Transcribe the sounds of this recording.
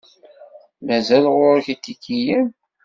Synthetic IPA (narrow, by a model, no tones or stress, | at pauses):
mæzælʁʊɾçit̪ːikʰːijəm